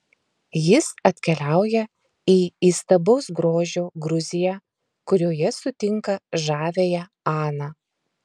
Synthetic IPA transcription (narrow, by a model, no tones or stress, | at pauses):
jɪsɐt̪ʲkʲɛlʲæˑʊjɛ | iːiːst̪ɐbɒʊsɡɾoːʒʲoːɡɾʊzʲɪjɛ | kʊɾʲoːjɛsʊt̪ʲɪŋkɐʒɑːʋʲeːjɛ | ɑːnɑː